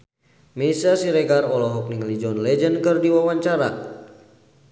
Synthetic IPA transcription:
mɛsasiɾɛkarɔlɔɦɔk̚niŋəlid͡ʒɔnlɛd͡ʒənkɨrdiwawaɲt͡ʃaɾa̰

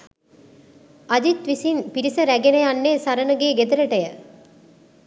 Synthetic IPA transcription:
ɐd͡ʒit̪ʋisinpiɾisəɾæɡenejɐnːeːsɐɾɐnəɡeːɡed̪ɐɾɐʈɐjə

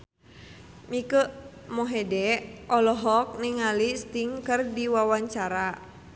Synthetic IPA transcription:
mikəʔ | mɔɦɛdɛʔɔlɔɦɔk̚niŋalist̪iŋkərdiwawaɲt͡ʃaɾa

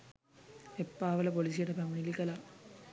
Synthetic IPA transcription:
epːaːʋɐlɐpolis̬ijɐʈɐpæmɐnilikːɐla

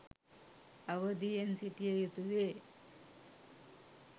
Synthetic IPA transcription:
ɐʋəd̪iensiʈijejut̪uʋe

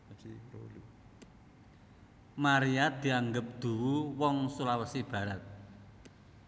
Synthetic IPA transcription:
t͡ʃio̰lu | maɾiad̪̥i̤aŋɡəp̚d̪̥ṳwuwɔŋsulawəsib̥ä̤ɾat̪̚

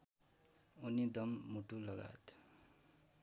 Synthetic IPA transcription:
unid̪ʌmːuʈulʌɡa̰t̪

